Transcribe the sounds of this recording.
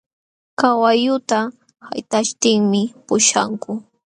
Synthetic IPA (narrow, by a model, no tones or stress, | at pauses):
kawajʊt̪a | ha̰jt̪aʃt̪ɪŋmɪpʊʃa̰ŋkʊ